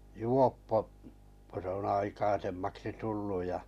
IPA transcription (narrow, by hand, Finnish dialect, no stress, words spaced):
juopːo ko se on ɑikɑisemːɑksi tulːu jɑ